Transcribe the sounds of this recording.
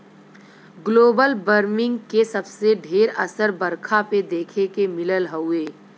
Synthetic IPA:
ɡloːbəlbəɾmɪ̃ŋɡkesɐbseɖʱeːɾɐsəɾbəɾkʰaped̪eːkʰekemɪləlɦəʊeː

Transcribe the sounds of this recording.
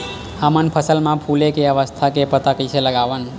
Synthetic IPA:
amənpʰəsəlmãpʰulekeəʋəst̪ʰakepət̪əkit͡ʃʰeləɡaʋən

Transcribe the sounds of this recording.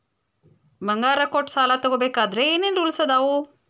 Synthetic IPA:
bɐŋɡaːɾɐkoʈsaːlat̪oɡobeːkaːd̪ɾeeːnend̪ulsɐd̪aːʋu

